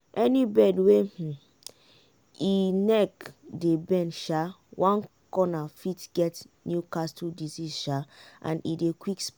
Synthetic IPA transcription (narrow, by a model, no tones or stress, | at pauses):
ʔɛnibɛdwe | inɛkdebɛ̃nʃa | wʔãn | kɔnafitɡ̥ɛt | njukastudizizʃaã̰nḭdekwiks